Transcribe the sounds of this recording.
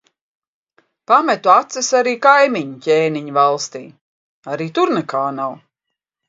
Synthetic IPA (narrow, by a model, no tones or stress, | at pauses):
pamɛt̪uat̪sɛsaɾiːkajmiɲucʲeːniɲvalˠst̪iː | aɾiːt̪uɾnɛkʰaːnaw